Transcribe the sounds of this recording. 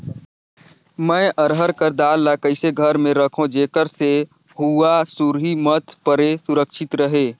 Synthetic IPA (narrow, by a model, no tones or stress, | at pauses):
mə̃ːʔəɾɦəɾkəɾd̪aːlːakəɪseɡʱəɾmẽɾəkʰõd͡ʒeːkəɾse | huasuɾɦimət̪ʰpəɾesʊɾəkʃʰɪt̪ɾəɦeː